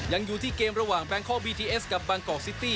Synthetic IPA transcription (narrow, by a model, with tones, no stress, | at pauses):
ja˧ŋjuː˨˩t̪ʰiː˥˩keː˧mɾa˧waː˨˩ŋbɛ˧ŋkʰɔː˥˩biː˧t̪ʰiː˧ʔe˦˥ska˨˩p̚baː˧ŋkɔː˨˩k̚si˦˥t̪iː˥˩